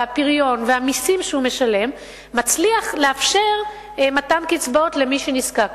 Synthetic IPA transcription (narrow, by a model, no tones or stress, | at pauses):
apiʁjo̞nveamisimʃeume̞ʃale̞mː | at͡sliaχleafʃe̞ʁ | matamkit͡sbo̞tle̞miʃeniskak